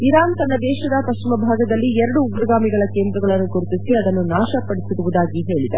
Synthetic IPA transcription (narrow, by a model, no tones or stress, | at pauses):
iɾaːnt̪ɐnːɐd̪ɛːʃɐd̪ɐpɐʃt͡ʃimɐbʱaːɡɐd̪ɐlːiɛɾɐɽuːɡɾɐɡaːmiɡɐɭɐkeːnd̪ɾɐɡɐɭɐnːuɡoɾut̪isiɐd̪ɐnːunaːʃɐpɐɽisiɾuʋud̪aːɡiɦe̞ːɭid̪ɐ